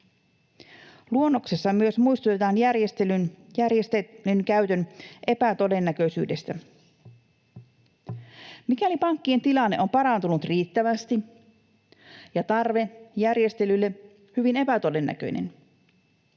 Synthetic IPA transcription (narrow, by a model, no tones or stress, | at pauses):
luonːo̞ksesːɑmyøsmujst̪ut̪et̪ɑːnjærjest̪elynjærjest̪elynkæyɥt̪ønʔe̞pæt̪o̞de̞nːækøsy̰ːde̞st̪æ | mikælipɑŋkːie̞nt̪ilɑnːe̞̰ʔo̞mpɑɾɑnt̪unut̪riːt̪ːæʋæst̪i | jɑt̪ɑrʋe̞jærje̞st̪e̞lylːe | hyʋine̞pæt̪o̞de̞nːæ̰kø̰jnḛn